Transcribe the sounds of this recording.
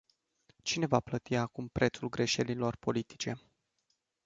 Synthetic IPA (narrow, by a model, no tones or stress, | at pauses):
t͡ʃine̞vaplət̪iakumpɾʔe̞t̪sulɡɾe̞ʃe̞lilo̞rpo̞lit̪i̥t͡ʃe̞